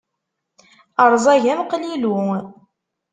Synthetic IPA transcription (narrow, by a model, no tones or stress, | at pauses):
əɾˤzˤæʝæmqlilu